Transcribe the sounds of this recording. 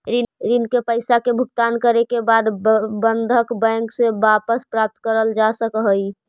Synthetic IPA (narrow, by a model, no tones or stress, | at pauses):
ɾiɾinkepəɪsakebʱʊɡ̚t̪aːnkəɾekebaːd̪bənd̪ʱəkbɛ̃ŋksebapəspɾap̚t̪kəɾəld͡ʒasəkɦəi